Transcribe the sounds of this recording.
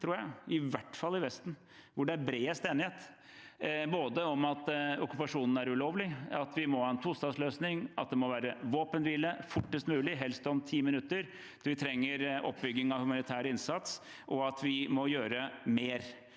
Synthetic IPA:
t̪ʰɾuːɾjæɪɪʋæʈːfɑlːɪʋɛst̪n̩ | ʋʊɖɛæɾbɾeːəst̪eːnɪheːt̪ | boːd̪əɔmɑt̪ɔkʉpɑʂuːnn̩æɾʉloːʋlɪɑt̪ʰʋɪmɔhɑːɛnt̪ʰulst̪ɑːsløːsnɪŋʔɑ̰t̪̚d̪ɛmɔʋæːɾəʋoːpənʋiːləfʊʈːəst̪mʉːlɪɦɛlst̪ɔmt̪ʰiːmɪnʉt̪ːəɾ | ʋɪt̪ʰɾɛŋːəɾɔ̰pːbʏɡːɪŋɑʋhʉmɑnɪt̪ʰæːɾəɪnsɑt̪s | ʔɔɑt̪ʰʋɪmɔjøːɾəmeːɾ

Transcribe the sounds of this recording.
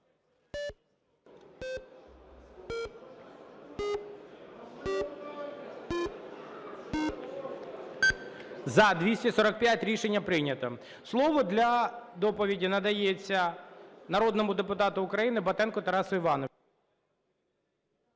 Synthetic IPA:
zɐd̪ʲʋʲisʲtʲisɔɾɐk̚pʲjatʲɾʲiʃenʲːɐpɾɪnʲɐt̪ɔ | slˠɔʋɔd̪lʲɐd̪ɔpɔʋʲidʲinɐd̪ɐjet͡sʲːɐnɐɾɔd̪nɔmʊd̪epʊt̪ɑt̪ʊːkɾɐjinɪbɐt̪ɛnkʊt̪ɐɾɑsʊiʋɑnɔ

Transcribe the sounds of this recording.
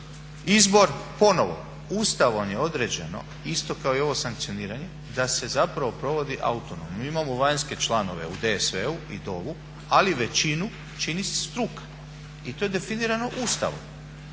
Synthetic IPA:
izbo̞ɾpo̞no̞ʋo̞̰ | ust̪aʋomje̞o̞d̪ɾed͡ʑe̞no̞̰ | ist̪o̞kao̞io̞ʋo̞saŋk̚t̪sioniːɾaɲe̞ | d̪ase̞zapɾaʋo̞pɾo̞ʋo̞d̪iʔa̰ut̪onomnomimamoʋaɲske̞t͡ʃlˠano̞ʋe̞̰ud̪esʋeuid̪o̞ʋu | aliʋe̞t͡ɕinu | t͡ʃinise̥st̪ɾukḁ | it̪o̞je̞d̪e̞finiːɾano̞ʔuːst̪a̰ʋo̰m

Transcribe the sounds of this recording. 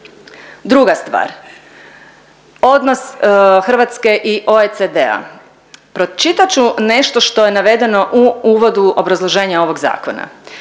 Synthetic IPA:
d̪ɾuɡast̪ʋa̰ːɾ | o̞d̪no̞sxr̩ʋat̪ske̞ʔiʔo̞esed̪ea̰ | pɾo̞t͡ʃit̪at͡ɕune̞ʃt̪oʃt̪o̞je̞naʋe̞d̪e̞no̞ʔuuːʋo̞d̪uo̞bɾazlˠo̞ʒe̞ːɲao̞ʋo̞ɡza̰ːko̞na̰

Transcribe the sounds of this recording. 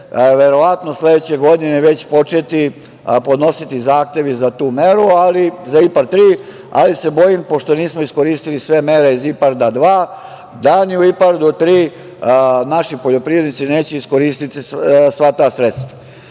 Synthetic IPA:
ʋe̞ɾo̞ʋat̪no̞sle̞d̪et͡ɕe̞ɡo̞d̪ineʋe̞t͡ɕpo̞t͡ʃet̪i | po̞d̪no̞sit̪izaːxt̪e̞ʋizat̪uːme̞ɾualizaipaɾt̪ɾiː | a̰lise̞bo̞jimpo̞ʃt̪o̞niːsmoisko̞ɾiːst̪ilisʋe̞meɾe̞izipaɾd̪ad̪ʋaː | d̪aniuipaɾd̪ot̪ɾiː | naʃipoʎo̞pɾiʋe̞d̪nit̪sineːt͡ɕeisko̞ɾiːst̪it̪isʋat̪aːsɾet̪st̪ʋḁ

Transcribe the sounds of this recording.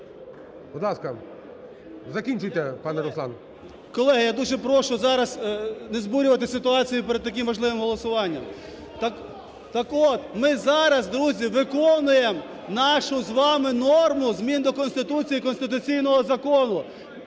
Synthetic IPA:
bud̪lˠɑskɐ | zɐkʲinʲt͡ʃʊjt̪ʲɛpɑnɛɾɔsˠɑ̰nɐ | kɔlˠɛɦɐjad̪uʒɛpɾɔʃʊzɑɾɐznezbuɾʲʊʋɐt̪ɪsɪt̪ʊɑt͡sʲijʊpɛɾɛd̪̚t̪ɐk̬ʲɪmːɐʒlˠɪʋɪmɦɔlˠɔsʊʋɑnʲːɐ̰m | t̪ | t̪ːɑkɔt̪mɪzɑɾɐzd̪ɾuzʲiʋɪkɔnʊjem | nɑʃʊzʋɑmɪnɔrmʊzmʲind̪ɔkɔnst̪ɪt̪ut͡sʲijikɔnst̪ɪt̪̬ʊt͡sʲijnɔɦɔzɐkɔnʊ

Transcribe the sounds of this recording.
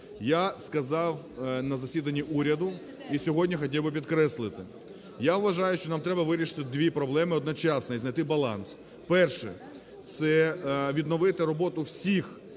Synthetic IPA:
jaskɐzɑw | nɐzɐsʲid̪ɐnʲːiʔuɾʲɐd̪ʊ | isʲɔɦɔdʲnʲixɔtʲiwbɪpʲidt̪kɾɛslˠɪt̪ɪ | jaʋʋɐʒɑjʊʃt͡ʃɔnɑmt̪ɾɛbɐʋɪɾʲiʃɪ̥t̪ɪd̪ʋʲipɾɔblˠɛmɪɔd̪nɔt͡ʃɑsnɐiznɐjt̪ɪbɐlˠɑ̰ns | pɛrʃɛ̰ | t̪sɛʋʲid̪nɔʋɪt̪ɪɾɔbɔt̪ʊwsʲix

